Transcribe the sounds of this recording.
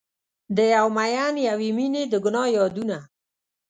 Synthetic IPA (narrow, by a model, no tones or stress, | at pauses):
d̪əjawmajanjawimined̪əɡʊnɑjɑd̪una